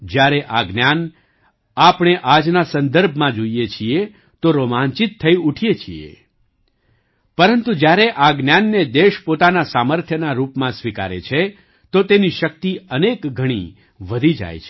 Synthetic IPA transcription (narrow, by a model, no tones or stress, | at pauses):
d͡ʒjaɾeʔaɡnjan | apɽ̃eʔad͡ʒnasənd̪əɾbʱmãd͡ʒoijet͡ʃʰie | t̪oɾomant͡ʃit̪ʰːəiuʈʰijet͡ʃʰḭḛ | pəɾənt̪ũd͡ʒjaɾeʔaɡnjanːed̪eʃpot̪anasaməɾt̪ʰjənaɾupmãsʋika̰ɾḛt͡ʃʰe | t̪ot̪eniʃək̚t̪iənekɡʱəɽ̃ḭ | ʋəd̪ʱid͡ʒa̰jt͡ʃʰe